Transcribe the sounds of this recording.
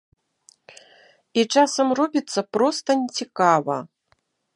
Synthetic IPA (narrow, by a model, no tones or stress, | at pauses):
it͡ʂasɐmrɔbʲit̪sːɐpɾɔst̪ɐnʲɛt͡sʲikavɐ̰